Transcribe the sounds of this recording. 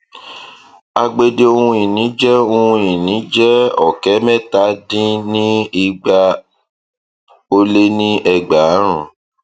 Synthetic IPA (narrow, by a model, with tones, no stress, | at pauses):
a˧ɡ͡be˧de˦o˧ũ˧i˨nĩ˨˦d͡ʒɛ˦o˧ũ˧i˨nĩ˨˦d͡ʒɛ˦ɔ˦˨kɛ˨˦mɛ˦ta˨˦dĩ˦nĩ˦i˧ɡ͡ba˧ | o˧le˦nĩ˦ʔɛ˨ɡ͡ba˨˦ɾ̃ũ˨